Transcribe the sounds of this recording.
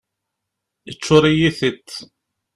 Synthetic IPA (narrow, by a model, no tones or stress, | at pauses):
ət͡ʃːʊɾˤijiθət̪ː